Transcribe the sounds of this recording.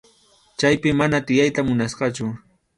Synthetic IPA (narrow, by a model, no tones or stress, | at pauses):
t͡ʃajpɪmanat̪ɪjajt̪amʊnasqɑt͡ʃʊ